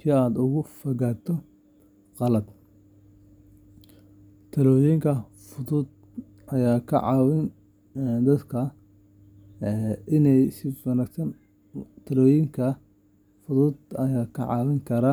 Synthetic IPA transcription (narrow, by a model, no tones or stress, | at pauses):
kʰiaːd̪ʊɣʊfɐɣaːt̪ʰɔ | qɑlɐd̪ | t̪ʰɐlɔːjɛŋkʰɐ | fʊðuːd̪ | ɐjaːkʰɐ̰ʕɑːwɪn | d̪ɐd̪kʰɐ | ʔɪnɛjsɪfɐnɐksɐn | t̪ʰɐlɔːjɪŋkʰɐ | fʊðuːd̪ɐjaːkʰɐ̰ʕɑ̰ːwɪŋkʰɐɾaːn